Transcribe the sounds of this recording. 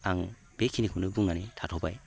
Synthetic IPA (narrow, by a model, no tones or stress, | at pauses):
aŋ | bekʰinikʰɯnɯbuŋnanitʰatʰɔbaj